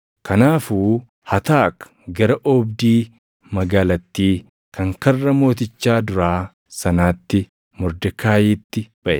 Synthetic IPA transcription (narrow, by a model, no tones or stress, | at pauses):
kɐnaːfuː | hɐt̪aːk | ɡɐɾɐʔɔːbd̪iː | mɐɡaːlɐt̪ːiː | kɐŋkɐrːɐmo̞ːt̪̬ɪt͡ʃːaːd̪ʊɾaː | sɐnaːt̪ːɪ | mɔɾd̪ɐkʰaːjiːt̪ːɪb̥ɐʔɛ